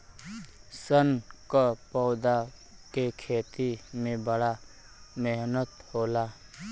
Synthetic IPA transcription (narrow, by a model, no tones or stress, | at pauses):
sənkapɔʊd̪akekʰeːt̪imẽbəɽa | meɦnət̪hoːla